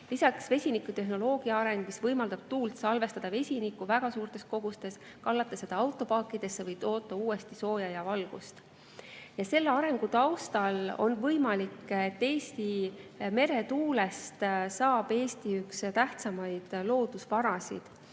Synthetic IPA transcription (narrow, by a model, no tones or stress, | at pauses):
lisɑksve̞sʲinikːˑut̪e̞ɦno̞lo̞ːɡ̥iɑɑɾe̞ŋɡ̥misvɤjmɑld̪̥ɑb̥̚t̪uːlt̪sɑlve̞st̪ɑd̪ɑve̞sʲinikːˑuvæɡ̥ɑsuːrt̪e̞sko̞ɡ̥ust̪e̞s | kɑlːɑt̪ːˑɑse̞d̪̥ɑɑwt̪ːˑo̞pɑːkːˑid̪̥e̞sːevɤjt̪o̞ːt̪ːˑɑuːe̞st̪iso̞ːjɑjɑvɑlɡ̥ust̪ | jɑse̞lːeɑɾe̞ŋɡ̥ut̪ɑwst̪ɑlo̞̰nvɤjmɑliket̪ːe̞ːst̪ime̞ɾe̞t̪uːle̞st̪sɑːb̥e̞ːst̪iykst̪æht̪sɑmɑjd̪̥lo̞ːd̪̥usvɑɾɑsḭd̪̥